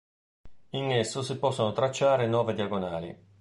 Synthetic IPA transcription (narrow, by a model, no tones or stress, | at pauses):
inesːosipɔsːonot̪ɾat͡ʃːaːɾenwɔːved̪iaɡonaːlḭ